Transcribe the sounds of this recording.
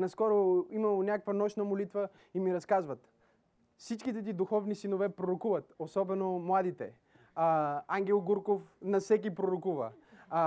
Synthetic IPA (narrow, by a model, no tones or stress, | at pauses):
nɐskɔɾoimɐlˠonʲakəkvɐnɔʃnəmolit̪və | imiɾɐskazvət̪ | fsit͡ʃkit̪ɛt̪̬id̪ʊxɔvnisinovɛpɾoɾokuvət̪osɔbɛnomlˠad̪it̪ɛ | aŋɡʲɛlˠɡuɾkofnɐfsɛk̬ʲipɾoɾokuvə̰